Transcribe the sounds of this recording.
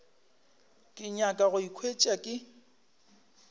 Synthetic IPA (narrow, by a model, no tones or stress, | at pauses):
kʼɪɲakʼaɣʊikʰwet͡ʃʼakʼɪ